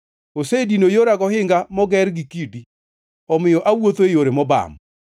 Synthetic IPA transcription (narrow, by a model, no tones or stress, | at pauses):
osedinojoɾaɡɔhɪŋɡamɔɡɛɾɡikidi | ɔmɪjɔʔawot̪oejoɾemɔba̰m